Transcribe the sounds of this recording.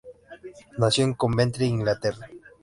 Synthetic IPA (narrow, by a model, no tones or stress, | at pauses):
nasjoŋkombent̪ɾeiŋɡlat̪era